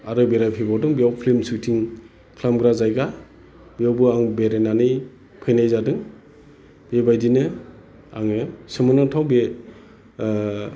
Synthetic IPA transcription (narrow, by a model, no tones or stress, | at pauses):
aɾɯbeɾajpʰibawdɯŋbiawpʰlimsutʰiŋ | kʰlamɡɾazajɡa | biawbɯaŋbeɾenanij | pʰɯjnajzadɯŋ | bebajdinɯ | aŋɯsɯmɯnɯtʰawbe